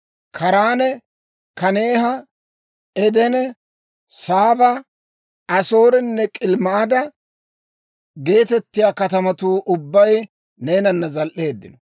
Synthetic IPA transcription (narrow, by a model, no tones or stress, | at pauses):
kʰɐɾaːnɛ | kɐne̞ːɦɐ | ɛd̪ɛnɛ | saːbɐ | ɐso̞ːɾɛnːɛkʼɪlmɐad̪ɐ | ɡe̞ːt̪ɛt̪ːɪjaːkɐt̪ɐmɐt̪uːʔʊbːɐj | ne̞ːnɐnːɐzɐlʔe̞ːd̪ːɪnɔ